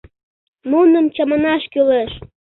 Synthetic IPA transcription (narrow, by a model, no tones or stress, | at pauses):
munəmt͡ɕɑmɑnɑʃkyleʃ